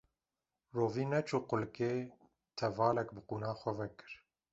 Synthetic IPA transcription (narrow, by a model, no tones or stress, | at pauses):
roːviːnɛt͡ʃʰuqʊlkeː | t̪ʰɛvɑːlɛkbɨquːnɑːxʷɛvɛkɨ̥ɾ